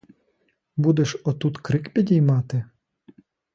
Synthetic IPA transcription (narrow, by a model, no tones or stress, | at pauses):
bud̪eʃɔt̪ut̪kɾɪkpʲidʲijmɑt̪ɪ